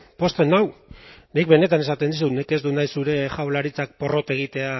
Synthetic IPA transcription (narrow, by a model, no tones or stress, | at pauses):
po̞st̪e̞nawnik̚be̞ne̞t̪ane̞sat̪e̞nd̪is̬unike̞zd̪unajsuɾe̞ʝawlaɾit͡sak̚po̞ro̞t̪e̞ɣ̞it̪e̞a